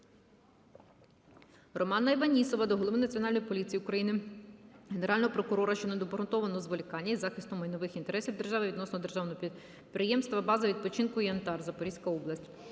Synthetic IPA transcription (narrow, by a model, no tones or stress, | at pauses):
rɔmɑnːɐiʋɐnʲisɔʋɐd̪ɔɦlˠɔʋɪnɐt͡sʲiɔnɑlʲnjipɔlʲit͡sʲijiukɾɐjinɪ | ɦene̞ɾʔɑlʲnɔɦɔpɾɔkʊɾɔɾɐʃt͡ʃɔnɛd̪ɔbɔɾʊnt̪ɔʋɐnɔɔzʋɔlʲikɑnʲːiizɑxɪst̪ʊmːɐjnɔʋɪxint̪eɾɛsʲiwd̪e̞rʒɑʋɪʋʲid̪nɔsnɔɔd̪erʒɑwnɔi | pɾɪjɛmst̪ʋɐbɑzɐʋʲid̪̚pɔt͡ʃɪnkʊiɐnt̪ɑrzɐpɔɾisʲkɐɔblˠɐsʲtʲ